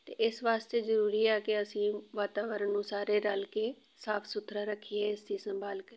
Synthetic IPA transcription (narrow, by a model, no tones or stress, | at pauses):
t̪ḛːʔɪsʋaːst̪eːzəɾuːɾiːɛːkɪəsĩːʋaːt̪aːʋəɾənnũːsaːɾeːɾalkeː | saːpʰsʊt̪ʰɾaːɾəkʰːiːẽɪsd̪iːsəmbʱaːlkəɾi